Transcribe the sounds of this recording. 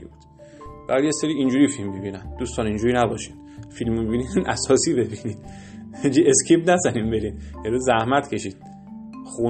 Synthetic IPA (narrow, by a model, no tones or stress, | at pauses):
ibud̪̥ | b̥æɾjeseɾiːind͡ʒuːɾiːfilmːibiːnænd̪uːst̪ɒːnind͡ʒuːɾiːnæbɒːʃi̥d̪filmomibiːninʔæsɒːsiːbe̞biniːd̪̥ | d͡ʒiescʰiːbnæzæninbe̞ɾiːnjeɾuːzæhmæt̪cʰe̞ʃiːd̪̥ | xu